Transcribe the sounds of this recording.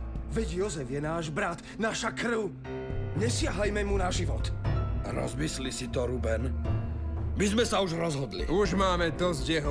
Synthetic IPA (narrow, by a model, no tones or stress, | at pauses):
ʋɛɟjɔzɛvjɛnaːʒbɾat̪ | naːʃakr̩ʊ | ɲɛsɪaɦlajmɛmunaʒiʋɔt̪ɾɔ̰zmislisit̪ɔɾubɛn | mizmɛsauʒɾɔzɦɔd̪lḭuʒmaːmɛd̪ɔzɟjɛɦɔ